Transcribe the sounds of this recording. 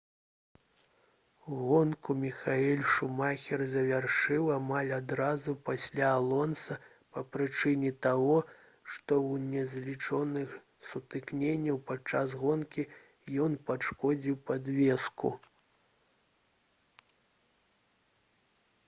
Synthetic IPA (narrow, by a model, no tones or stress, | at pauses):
ɣɔnkumʲixaɛlʲʂumaxʲɛrzɐvʲarʂɨwamalʲad̪ɾazupasʲlʲaːlˠɔnsɐ | pɐpɾɨt͡ʂɨnʲɛt̪aɣɔ | ʂt̪ɔwnʲɛzʲlʲit͡ʂɔnɨx | sut̪ɨknʲenʲːɐwpat͡ʂasɣɔnkʲi | jɔnpaʂkɔd͡zʲiwpad̪vʲɛskṵ